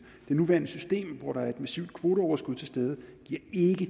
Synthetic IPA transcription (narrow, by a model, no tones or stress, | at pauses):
d̥e̝nuʋæɐnəsysd̥e̝̰ːmʋɒɾ̥ɑ̈æɐe̝d̥mæsḭʊ̰d̥̚kʰʋo̝ːɾəɒʊɐsɡ̥uð̞̰ˠt͡sʰe̝lsd̥eːð̞ˠəɡ̥iɐ̰e̝ɡ̥ə